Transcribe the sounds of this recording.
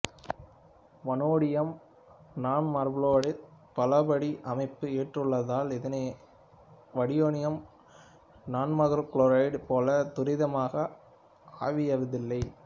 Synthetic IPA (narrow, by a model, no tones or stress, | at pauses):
ʋɐnoːɽɪjɐm | naːɳmɐɾbloːɽɪpɐlɐbɐɽiʔɐmɐɪpːɯeːʈrɯɭːɐðaːlɛðɐnɐ | ʋɐɽɪjoːɳɪjɐm | naːɳmɐɣɐɾkɭoːɾɐɪɖpoːlɐt̪ʊɾɪðɐmaːɣɐ | a̰ːʋɪjɐʋɐðɪlːɐɪ